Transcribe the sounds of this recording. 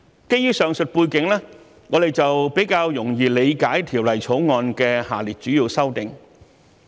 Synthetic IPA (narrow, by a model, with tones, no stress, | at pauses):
ke˥jyː˥sœː˨ŋsɵ˨t̚puː˧jkɪ˨˥ŋlɛː˥ | ŋɔː˨˧d̪e˨jt͡sɐ˨wpe˨˥jkaː˧wjʊ˨˩ŋjiː˨le˨˧jkaː˨˥jt̪ʰiː˨˩wlɐ˨˩jt͡sʰo˨˥wŋɔː˧nkɛː˧haː˨˩liː˨˩t̚t͡ʃyː˨˥jiː˧wsɐ˥wt̪ɪ˨ŋ